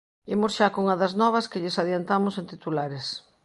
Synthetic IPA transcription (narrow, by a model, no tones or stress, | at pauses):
imosʃakoŋɐðɐznɔβɐskɪʎɪsaðjant̪amʊsẽnt̪it̪ulaɾes